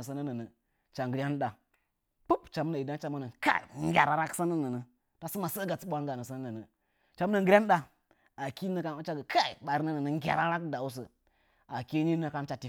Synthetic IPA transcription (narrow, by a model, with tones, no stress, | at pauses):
ə˨sə˦nə˦nə˨nə˨ | t͡ʃa˨ŋɡə˨ɾʲa˦n˦ɗa˨ | pu˦pt͡ʃa˨m˦na˨i˨da˦t͡ʃa˨mə˦nə˨nka̰˦˨ŋ˦ɡʲa̰˨ɾa˨ɾa˦ksə˦nə˦nə˨nə˨ | ta˦sə˦ma˨sə˦ɡa˨t͡sɓʷa˦ŋɡa˨nə˨sə˦nə˦nə˨nə˨ | t͡ʃa˦m˦nə˨ŋɡə˦a˦n˦ɗa˨ | a˨ki˦nə˦ka˦t͡ʃa˦ɡə˨kʰa˦ḭ˨ɓa˨ɾnə˦nə˨nə˨ŋ˦ɡʲa̰˨ɾa˦ɾa˦kda˨u˦s̬ə˨ | a˨ki˦ni˦nə˦ka˦nt͡ʃa˨ti˨